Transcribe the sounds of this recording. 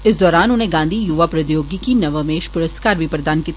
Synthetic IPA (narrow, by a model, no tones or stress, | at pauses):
ɪs̬d̪ɔːɾaːnʊnɦẽɡãːnd̪ʱijʊʋapɾɐd̪joːɡikinɐʋəmeːʃpʊɾəskaːɾbʱipɾɐd̪aːnkiːt̪